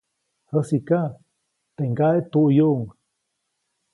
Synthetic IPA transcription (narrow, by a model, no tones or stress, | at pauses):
həsika | t̪eŋɡaʔet̪uʔjoʔŋ